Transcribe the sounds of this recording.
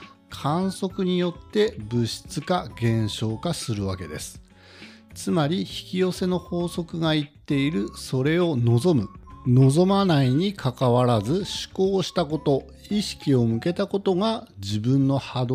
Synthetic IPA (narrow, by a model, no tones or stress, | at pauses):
kʰãɰ̃so̞kɯ̟ɲ̟ijo̞t̪ːe̞bɯ̟ɕi̥t͡sɨkaɡẽ̞ɰ̃ɕo̞ːkasɨɾɯ̟βake̞d̪e̞̰sɨ̥ | t͡sɨmaɾʲiçi̥kʲijo̞se̞no̞ho̞ːso̞kɯ̟ɡait̪ːe̞iɾɯ̟so̞ɾe̞o̞no̞zo̞mɯ̟no̞zo̞manaiɲ̟ikʰakaβaɾazɨɕɨ̥ko̞ːɕi̥t̪ako̞t̪o̞ | iɕi̥kʲio̞mɯ̟ke̞t̪ako̞t̪o̞ŋad͡ʑibɯ̟̃nːo̞had̪